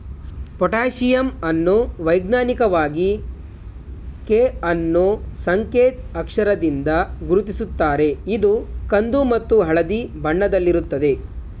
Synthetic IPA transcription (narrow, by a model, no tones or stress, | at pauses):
pɔʈaːʃijɐmɐnːuʋɐjɡnaːnikɐʋaːɡi | keːɐnːusɐŋkeːt̪ɐkʂɐɾɐd̪ind̪ɐɡuɾut̪isut̪ːaːɾe̞id̪ukɐnd̪umɐt̪ːuɦɐɭɐd̪ibʱɐɳːɐd̪ɐlːiɾut̪ːɐd̪e̞